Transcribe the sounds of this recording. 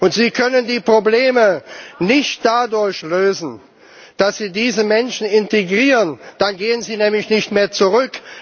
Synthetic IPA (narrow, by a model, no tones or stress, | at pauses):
ʔʊntz̥iːkʰœnəndiːpʁ̥obleːmənɪçt̚d̥adʊɐçløːzn̩ | d̥asz̥iːdiːzəmɛnʃn̩ɪnteɡʁiːʁənd̥anɡeːənziːnɛːmlɪçnɪçtmeːɐt͡suʁʏk